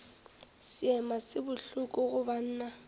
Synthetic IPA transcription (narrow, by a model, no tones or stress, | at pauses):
sɪɛmasɪbʊɬʊkʼɔɣʊban̩ːna